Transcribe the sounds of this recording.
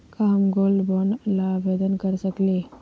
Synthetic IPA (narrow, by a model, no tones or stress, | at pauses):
kaːmɡoːlbonlaʋed̪ənkəɾsəkle